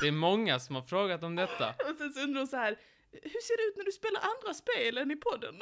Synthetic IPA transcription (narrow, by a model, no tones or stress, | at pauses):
d̪̥ɛːɾmɔŋːasɔmhaɾfɾoːɡat̪ɔmd̪ɛt̪ːa̰sɛnsɛnt̪ənɔsahæːɾ | hɵʂeːɖɛʉ̟t̪næɖɵspeːlaɾʔand̪ɾaspeːlɛnɪpʰɔd̪ːə̰n